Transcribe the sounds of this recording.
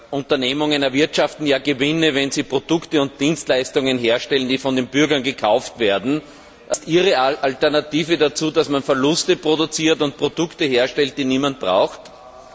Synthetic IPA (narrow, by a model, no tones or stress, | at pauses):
ʔʊ̃ntɐneːmʊŋənɛɐvɪɐtʃaftn̩jaːɡəvɪnəvɛnzipʁodʊktəʊ̃nt̚d̥iːnstlaɪstʊŋənɦeːɐʃtɛlənd̥iːfɔndenb̥ʏɐɡɐnɡəkʰaʊftv̥eːɐdn̩ | ʔɪstʔiːʁəʔaltɛɐnatiːvədat͡suːdasmanfɛɐlʊstəpʁodʊt͡siːɐtʊnt̚pʁ̥odʊktəheːɐʃtɛlt̚d̥iːniːmant̚b̥ʁa̰ʊxt